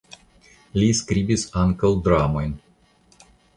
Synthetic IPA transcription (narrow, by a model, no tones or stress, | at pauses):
lʲiskɾʲibʲisaŋkəlˠd̪ɾamɔnʲ